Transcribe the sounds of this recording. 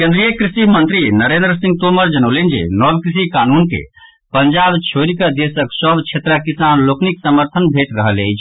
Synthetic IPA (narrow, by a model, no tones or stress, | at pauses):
kẽnd̪ɾijəkɾisimənt̪ɾinəɾẽnd̪ɾəsĩŋɡ̚t̪oməɾd͡ʒənəʊlend͡ʒḛnɔbkɾisikanunkḛ | pənd͡ʒabt͡ʃʰoɾikəd̪esəksəbt͡ʃʰet̪ɾəkisanlokniksəməɾt̪ʰənbʱeʈɾəɦələjt͡ʃʰ